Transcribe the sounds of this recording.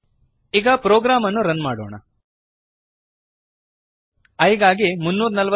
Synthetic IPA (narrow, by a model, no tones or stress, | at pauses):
iɡɐpɾoːɡɾaːmɐnːuɾɐnmaːɽo̰ːɳɐ̰ | ɐjɡaːɡimunːuːɾɐnɐlʋɐ